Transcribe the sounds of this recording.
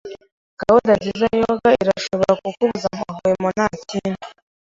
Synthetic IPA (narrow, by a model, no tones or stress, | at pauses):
ɡ̥awudaɟizajoɡaiɾaʃo̞βoɾakukuβuzamaɦojemonaːcina